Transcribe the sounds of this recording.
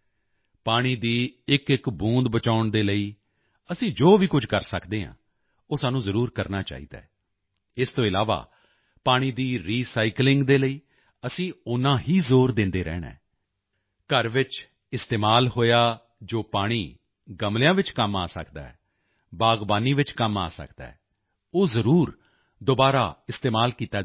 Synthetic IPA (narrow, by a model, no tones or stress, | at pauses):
paːɽ̃iːd̪iːɪkɪkbũːnd̪bət͡ʃaːʊɳd̪eːləiː | əsĩːd͡ʒoːʋiːkʊd͡ʒʱkəɾsəkd̪eːɦã̰ː | oːsaːnũːzəɾuːɾkəɾnaːt͡ʃa̰ːḭːd̪a̰ː | ɪst̪õːɪlaːʋa̰ː | paːɽ̃iːd̪iːɾiːsaːiklɪŋɡd̪eːləiː | əsĩːʊnãːɦiːzoːɾd̪ɪ̃nd̪eːɾɛ̰ːnɛ̰̃ː | kəɾʋɪt͡ʃ | ɪst̪eːmaːlɦoːjaː | d͡ʒoːpaːɽ̃iː | ɡəmlɪjãːʋɪt͡ʃkəma̰ːsə̰kd̪a̰ːɛː | baːɡbaːniːʋɪt͡ʃkəma̰ːsə̰kd̪a̰ːɛː | oːzəɾuːɾ | d̪obaːɾaːɪst̪eːmaːlkiːt̪aː